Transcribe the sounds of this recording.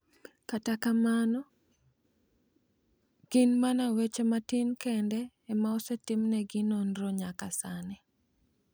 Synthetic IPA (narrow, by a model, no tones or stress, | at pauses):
katakamanɔ | ɡ̥inmanawet͡ʃematinkɛndɛː | maɔsɛtɪmnɛɡinonɾɔɲakasanɪ